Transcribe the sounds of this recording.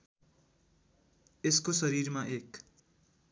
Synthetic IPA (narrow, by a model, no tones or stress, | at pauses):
eskosʌɾiɾmaʔek